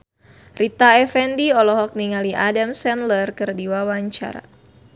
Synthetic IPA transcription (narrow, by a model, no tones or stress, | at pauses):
rit̪aɛfɛndiɔlɔɦɔk̚niŋaliʔadamsɛnlərkɨrdiwawaɲt͡ʃa̰ɾa̰